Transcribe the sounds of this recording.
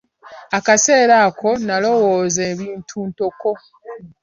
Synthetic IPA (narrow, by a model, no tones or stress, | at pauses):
akase̞ːɾako̞nalo̞wo̞ːze̞ːβiːntʰuːntoko̞